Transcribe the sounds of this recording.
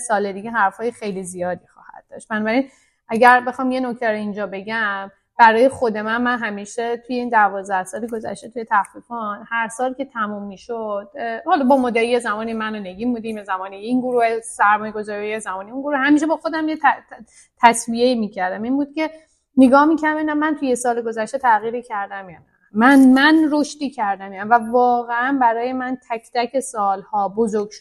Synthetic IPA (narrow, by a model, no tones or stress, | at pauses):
sɒːled̪iɟeɦæɾfɒːjexejlizijɒːd̪iːxɒ̰ːhæ̰d̪̥ːɒːʃt̪̚bænɒːbæɾin | ʔæɟæɾbe̞xɒːmje̞no̞cʰt̪ʰæɾo̞ind͡ʒɒːbe̞ɟæm | b̥æɾɒːje̞xo̞d̪e̞mænmænɦæmiːʃet̪ʰujeiːnd̪ævɒːzd̪æhsɒːliɡo̞zæ̰ʃt̪e̞t̪ʰujet̪ʰæfɾifɒnhæɾsɒːlkʲʰe̞t̪ʰæmuːmːiːʃod̪̥̚hɒlɒbɒmɔd̪æɾijezæmɒːnimænoneɡiːmbud̪iːmezæmɒːniinɡuɾuːhesæɾmɒːjeɡo̞zɒːɾijjezæmɒːniunɡuɾuhhæmiʃebɒːxod̪æmjet̪ʰ | t̪ʰæsbieiːmiːcʰæɾd̪æminbuːd̪̥̚cʲʰe̞ | neɡɒːhmiːkcʰæɾd̪æminæmːænt̪ʰujesɒːleɡo̞zæʃt̪et̪ʰæɣiːɾiːcʰæɾd̪æmjɒːnæ | mænmænɾoʃt̪iːcʰæɾd̪æmjæmvævɒːɣeænbæɾɒːje̞mænt̪ʰækʰt̪ʰæcʰe̞sɒːlhɒːbozoɾɡʃ